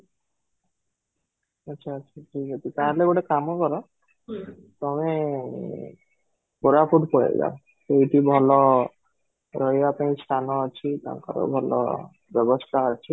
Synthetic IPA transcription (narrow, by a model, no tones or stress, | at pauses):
ətːʃʰaːtːʃʰaʈʰikɔt͡ʃʰit̪ãleboɽekamɔkɔɾɔ | t̪ɔme | boɾapʰuʈpɔɽḛɡa̰ | t̪ejʈibʱɔlɔ | ɾɔjapãĩsʈʰanɔat͡ʃʰit̪a̰ɾkɔ̰ɾɔ̰bʱɔlɔ̰ | bjɔbɔst̪ʰaat͡ʃʰi